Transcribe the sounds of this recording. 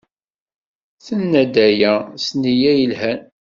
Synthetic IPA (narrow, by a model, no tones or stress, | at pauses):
θənːæd̪æjæsnijæjəlhæn